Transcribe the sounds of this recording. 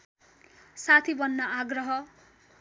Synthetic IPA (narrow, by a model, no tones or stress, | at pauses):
sat̪ʰibʌnːʌaɡrʌɦʌ